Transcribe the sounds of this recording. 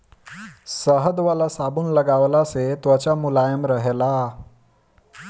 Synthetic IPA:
səɦəd̪ʋalasabuːnləɡaʋlaset̪ʋət͡ɕamulajəmɾəɦela

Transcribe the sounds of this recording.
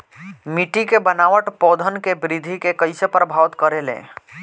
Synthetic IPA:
miʈikebənaʋəʈpɔd̪ʱənkebɾid̪ʱikekəɪsepɾəbʱaʋt̪kəɾelḛ̃

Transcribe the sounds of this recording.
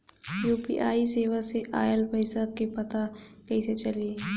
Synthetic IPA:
juːpḭʔaːiseːʋaseʔaːjəlpəɪsakepɐt̪akɐiset͡ʃɐliː

